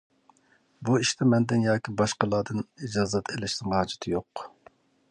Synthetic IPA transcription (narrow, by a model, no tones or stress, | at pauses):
buiʃt̪ʰɛmɛnd̪ɪnjɑːkʲibɑʃqəlˠɑːd̪ɨnid͡ʒɑːzɛt̪ʰelɪʃnɨŋhɑːd͡ʒɪ̥t̪ʰɪjoq